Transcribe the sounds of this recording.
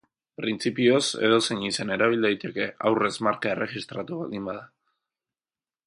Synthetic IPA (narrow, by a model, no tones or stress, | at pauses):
pɾint͡sipio̞se̞̰ðo̞seɲisene̞ɾaβ̞ild̪ajt̪e̞ke̞awre̞zmaɾkaere̞xist̪ɾat̪uβa̰ld̪imbað̞a